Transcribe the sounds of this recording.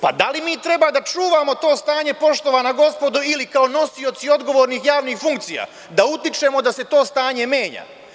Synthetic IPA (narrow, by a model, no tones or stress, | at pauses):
pa̰d̪alimiːt̪ɾe̞baːd̪at͡ʃuːʋaːmo̞t̪o̞ːst̪aːɲe̞po̞ʃt̪o̞ʋaːnaɡo̞spo̞d̪uilikao̞no̞sio̞t̪sio̞d̪ɡo̞ʋo̞ːɾniːxjaːʋniːxfuŋkt̪sija̰ | d̪aut̪it͡ʃe̞ːmo̞d̪ase̞t̪o̞ːst̪aːɲe̞me̞ːɲa̰ː